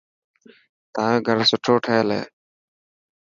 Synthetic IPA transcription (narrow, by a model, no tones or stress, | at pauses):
t̪ãːɡʱəɾsʊʈʰoːʈʰeːlḛː